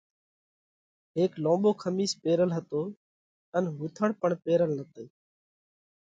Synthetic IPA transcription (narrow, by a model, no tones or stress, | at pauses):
ɦeːklõːɓoːkʰəmiːspeːɾəlɦət̪oː | ənɦuːt̪ʰəɳpəɳpeːɾəlnət̪eː